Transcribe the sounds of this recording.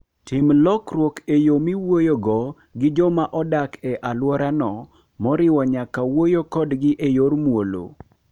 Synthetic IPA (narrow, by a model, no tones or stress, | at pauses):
tɪmlɔkɾwokejomiwojoɡɔ | ɡɪd͡ʒɔmaʔɔdakɛʔalwɔɾanɔ | mɔɾɪwɔɲakawojokɔdɡɪʔejoɾmwolo̰